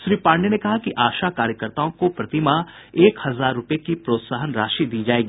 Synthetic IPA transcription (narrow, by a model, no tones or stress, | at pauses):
ʃɾiːpãːɳɖenekɐɦakiʔaːʃakaːɾjəkəɾt̪aːõkopɾɐt̪ɪma | eːkhɐzaːɾːʊpekipɾoːt̪saɦənɾaːʃid̪iːd͡ʒaːeːɡiː